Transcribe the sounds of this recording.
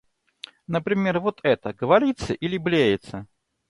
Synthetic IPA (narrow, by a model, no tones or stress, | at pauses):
nɐpɾʲɪmʲervɔt̪ɛt̪ɐɡəvaɾʲit̪sːɐʔilʲɪblʲejɪt̪sɐ